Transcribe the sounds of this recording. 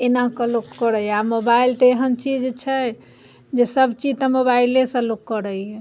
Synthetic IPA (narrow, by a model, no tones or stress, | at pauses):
enakəlokːɔɾəjɛamobailt̪ɔeɦənt͡ʃid͡ʒt͡ʃʰɛ | d͡ʒesəbt͡ʃid͡ʒt̪əmobailesə̃lokːəɾəiɛ